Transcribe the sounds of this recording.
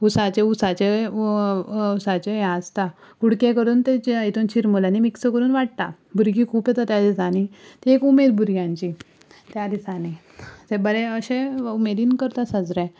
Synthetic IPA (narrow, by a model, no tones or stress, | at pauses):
usat͡ɕeusat͡ɕe | usat͡ɕeɦəst̪akuɽkjekəɾuːnt̪eit̪unt͡ɕʰiɾmolanimiksəkəɾuːnʋaʈ̚t̪a̰ | bʱuɾɡiːkʰuːpjet̪at̪jad̪isañit̪iekumed̪bʱuɾɡjãɲt͡ɕi | t̪jad̪isani | t̪ebəɾẽəɕẽumed̪iːnkəɾt̪asəd͡zɾɛ